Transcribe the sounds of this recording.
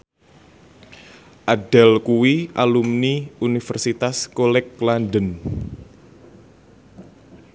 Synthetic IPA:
ʔaɖ̥alkuwiʔalumniunifərsit̪askolɛklandən

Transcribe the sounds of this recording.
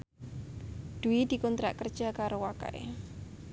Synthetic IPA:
d̪̥uid̪̥i̤kɔnt̪ɾa̰ʔkərd̥ʒ̥a̤kaɾowaka̰ʔḛ

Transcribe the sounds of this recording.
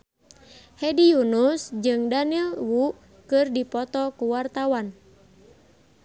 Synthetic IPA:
hɛdijunusd͡ʒɨŋdanilwu | kɨrdipɔt̪ɔkuwart̪awan

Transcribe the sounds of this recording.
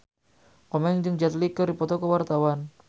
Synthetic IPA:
kɔmɛŋd͡ʒɨŋd͡ʒat̪likəɾdipɔt̪ɔkəwart̪awan

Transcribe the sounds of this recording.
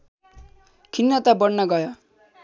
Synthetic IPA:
kʰinːʌt̪abʌnnʌɡʌjo

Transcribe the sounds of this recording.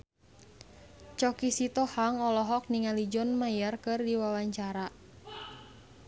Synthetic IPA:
t͡ʃɔkisit̪ɔhaŋɔlɔɦɔk̚niŋalid͡ʒɔnmajarkɨrdiwawaɲt͡ʃaɾa

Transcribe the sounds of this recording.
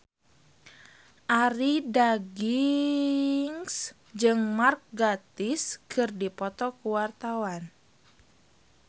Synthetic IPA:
ʔaɾidaɡi | ŋs | d͡ʒɨŋmark̚ɡat̪iskʰɨrdipɔt̪ɔkuwart̪awan

